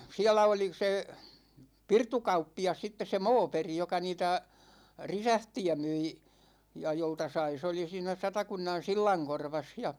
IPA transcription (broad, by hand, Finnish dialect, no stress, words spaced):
siælæ oli se pirtukɑupːiɑs sitːes̆ se moːperi jokɑ niːtæ risæhtiæ myi jɑ joltɑ sɑi se oli siːnæ sɑtɑkunːɑn silːɑŋkorʋɑs jɑ